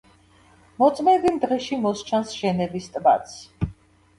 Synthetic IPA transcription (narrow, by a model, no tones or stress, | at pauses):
mɔt̪sʼmɛd̪imd̪ʁɛʃimɔst͡ʃʰansʒ̥ɛnɛbist̪ʼba̰t̪s